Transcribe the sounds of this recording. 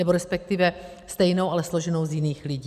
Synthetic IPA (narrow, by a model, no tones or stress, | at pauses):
ɛbo̞ɾɛspɛk̚t̪ɪvɛ | st̪ɛjno̞wʔalɛslo̞ʒɛno̞wzjɪniːxlɪɟi